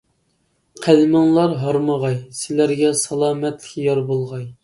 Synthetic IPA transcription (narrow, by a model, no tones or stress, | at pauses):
qʰælmɪŋlˠɑɾɦɑɾməʁɑjsɪlæɾɡʲɛsɑlˠɑːmɛt̪lɪkʲjɑɾbolˠʁɑj